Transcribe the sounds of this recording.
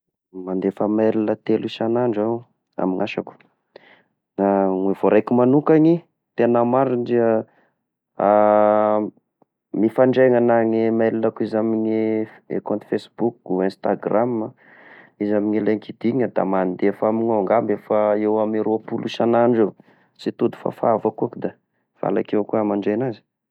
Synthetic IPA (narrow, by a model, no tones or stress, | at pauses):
mand̪efəmelilət̪eluʃanaɳɖ͡ʐaw | a̰miŋaʃaku̥ | naŋev̥oɾʔajkumanukaɲi | t̪enamaɾiɖ͡ʐiə | a | mifaɳɖ͡ʐeŋanaɲimelinakuizamiɲi | ḛkont̪fesbukuɛ̃nst̪aɡram | izamiɲileŋkid̪̥iɲəd̪a̰mand̪efamiɲaŋɡambefaewamiɾuapuluʃanaɳɖ͡ʐe | sit̪ud̪u̥fa̰faavakuakud̪a | v̥a̰la̰kewkuamaɳɖ͡ʐenazi̥